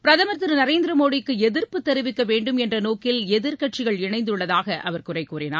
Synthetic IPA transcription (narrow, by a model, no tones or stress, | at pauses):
pɪɾɐðɐmɐɾt̪ːɪɾnɐɾeːnd̪ɪɾɐmoːɽɪkːɯɛðɪɾpɯt̪ːɛɾɯʋɪkːɐʋeːɳɖɯmɛndrɐnoːkɪlɛðɪɾkɐʈ̚t͡ʃɪɣɐɭɪɳɐɪnd̪ɯɭːɐðaːɣɐʔɐʋɐɾkʊrɐɪkːuːrɪna̰ː